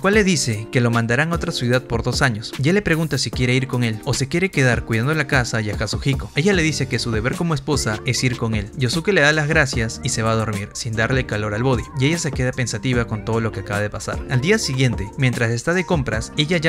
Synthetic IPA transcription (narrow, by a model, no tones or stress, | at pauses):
kwalːe̞ðise̞ke̞lo̞mãnd̪aɾaŋo̞t̪ɾasjuðað̚po̞ɾðo̞saɲo̞sʝele̞pɾe̞ɣunt̪asikje̞ɾe̞iɾko̞ŋelo̞se̞kje̞ɾe̞ke̞ðaɾkwiðand̪olakasaiaxasuxiko̞e̞ʝale̞ðiseke̞suðe̞βe̞ɾko̞moe̞spo̞sae̞siɾko̞ŋe̞lɟ͡ʝosuke̞leðalazɣɾasjasise̞βaːðo̞ɾmiɾsind̪aɾle̞kalo̞ɾalβo̞ðiie̞ʝase̞ke̞ðape̞nsat̪iβ̞ako̞nt̪o̞ð̞o̞lo̞keakaβað̞epasa̰ɾald̪iasiɣje̞nt̪e̞mje̞nt̪ɾase̞st̪aðe̞ko̞mpɾase̞ʝaʝa